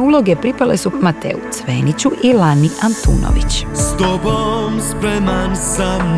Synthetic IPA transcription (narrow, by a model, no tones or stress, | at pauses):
ulˠo̞ɡe̞pɾipale̞sumat̪ḛut̪sʋeːnit͡ɕuʔilaniʔant̪ṵːno̰ʋit͡ɕst̪obomspɾɛmansam